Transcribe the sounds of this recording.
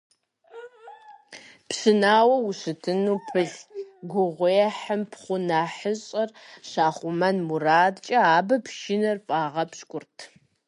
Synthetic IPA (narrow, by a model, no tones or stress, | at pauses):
psɨnaːwɐwʊɕɨtʰɨnuːpʰɨɮɡʷʊʁʷejɛħəmpʰχʷʊnaːħəɕʼɐrɕaːχʷʊmɐnmuraːdt͡ʃʼɐaːbɐpʃɪnɐrpʼaːʁɐpɕkʷʼʊrtʰ